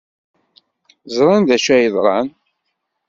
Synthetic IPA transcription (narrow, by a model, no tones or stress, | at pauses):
zˤɾˤɑnd̪æʃæjəðˤɾˤɑn